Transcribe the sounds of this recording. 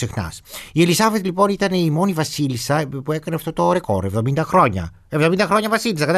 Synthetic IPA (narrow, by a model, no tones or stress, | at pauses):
sixnɐ̰sie̞lisɐve̞t̪lipo̞nit̪ɐne̞imo̞nivɐsilisɐpue̞kɐneɐft̪ot̪o̞ɾe̞ko̞̰ɾe̞vðo̞mind̪ɐxɾo̞ɲɐ̰ | evðomind̪ɐxɾo̞ɲɐvɐsilisɐkɐt̪